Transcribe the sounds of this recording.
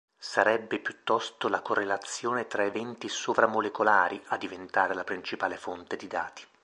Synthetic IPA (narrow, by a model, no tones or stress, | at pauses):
saɾɛbːepjut̪ːɔst̪olakorːelat̪sːjoːnet̪ɾaevɛnt̪isovɾamolekolaːɾiad̪ːivent̪aːɾelapɾint͡ʃipaːlefont̪ed̪id̪a̰ːt̪i̥